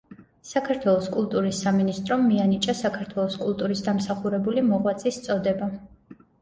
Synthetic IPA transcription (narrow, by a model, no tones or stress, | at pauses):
sakʰaɾt̪ʰwɛlˠɔskʼulˠt̪ʼuɾisːaminist̪ʼɾɔmːianit͡ʃʼasakʰaɾt̪ʰwɛlˠɔskʼulˠt̪ʼuɾisd̪amsaχuɾɛbulimɔʁwat̪sʼist̪sʼɔd̪ɛba